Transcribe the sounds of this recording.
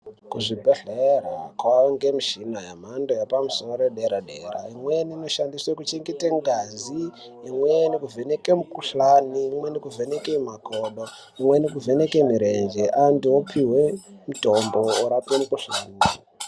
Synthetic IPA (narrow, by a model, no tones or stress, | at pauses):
kuʐibʱeɬera̰kwaŋɡemiʃinajam̤andojapamusoroɾeɗeɾaɗera̰imwenino̞ʃandiswekut͡ʃiŋɡiteŋɡaziː | mwenikuvʱenekemukuɬaniːmwe̞nikuvʱenekemakoɗo | imwenikuvenekemiɾe̞nd͡ʒeʔandiopʰiwe̞muto̞mbooɾapemukuɬaːni